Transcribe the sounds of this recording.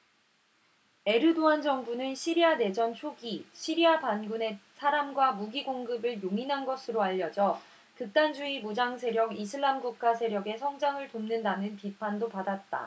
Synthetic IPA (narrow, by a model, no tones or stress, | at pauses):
e̞ɾɯdoand͡ʑʌŋbunɯnɕʰiɾiane̞d͡ʑʌnt͡ɕʰoɡiɕʰiɾiapanɡune̞sʰaɾamɡwamuɡiɡoŋɡɯbɯɭjoŋinɦanɡʌsʰɯɾoaʎːʌd͡ʑʌ | kɯk̚t͈and͡ʑuimud͡ʑaŋs̬ʰe̞ɾjʌɡisʰɯɭːamɡuk̚k͈asʰe̞ɾjʌɡe̞sʰʌŋd͡ʑaŋɯɭtomnɯndanɯnpipʰandopadat̚t͈a̰